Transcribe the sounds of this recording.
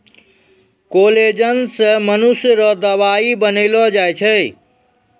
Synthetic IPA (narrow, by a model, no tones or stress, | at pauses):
koled͡ʒənsə̃mənusjɾɔd̪əʋaibənilɔd͡ʒajt͡ʃʰə